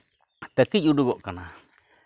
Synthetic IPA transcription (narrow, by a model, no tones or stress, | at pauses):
t̪akijuduɡoʔkanã